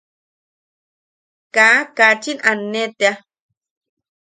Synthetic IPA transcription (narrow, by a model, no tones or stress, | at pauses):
kakat͡ʃinanːet̪ea